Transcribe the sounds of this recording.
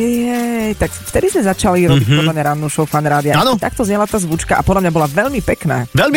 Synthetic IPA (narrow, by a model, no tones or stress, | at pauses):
jɛjt̪akft̪ɛd̪izmɛzat͡ʃaliɾɔbic̚pɔd̪lamɲaɾanːuʃɔʊfanɾaːd̪iaanɔt̪ak̚t̪ɔzɲɛlat̪aːzʋut͡ʃkaʔapɔd̪lamɲabɔlaʋɛʎmipɛkna̰ːʋɛlm